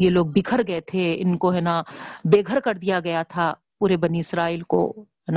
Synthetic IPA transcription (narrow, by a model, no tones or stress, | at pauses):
jeloːɡ̚bikʰəɾɡɐet̪ʰeɪ̰nkoɦɛːnabeːɡʱəɾkɐɾd̪ijaɡɐjat̪ʰa | puːɾebɐniɪsɾaːiːlko̰ɦɛna